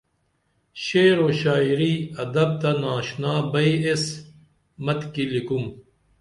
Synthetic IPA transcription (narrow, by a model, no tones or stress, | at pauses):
ɕeːɾoɕaːiɾiɐd̪ɐb̚t̪ɐnaːɕnaːbɐies | mɐt̪kilikum